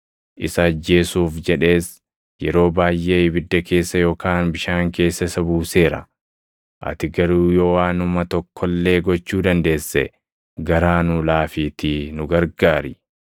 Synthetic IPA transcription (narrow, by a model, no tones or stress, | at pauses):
ʔɪsɐːd͡ʒːe̞ːsuːfd͡ʒɛᶑe̞ːs | jɛɾo̞ːbaːjʔeːɪbɪd̪ːɐke̞ːsːɐjo̞ːkaːnbɪʃaːŋke̞ːsːɐsɐbuːse̞ːɾɐ̰ | ʔɐ̰t̪ɪɡɐɾuːjowaːnʊmɐt̪ɔkʰːɔlːe̞ːɡɔt͡ʃːuːd̪ɐnd̪e̞ːsːɛ̰ | ɡɐɾaːnʊlaːfiːt̪inʊɡɐɾɡaːɾɪ